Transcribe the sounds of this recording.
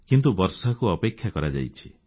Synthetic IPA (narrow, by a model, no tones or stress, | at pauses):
kint̪ubɔɾsakuɔpekʰjakɔɾad͡ʒa̰jt͡ʃʰi̥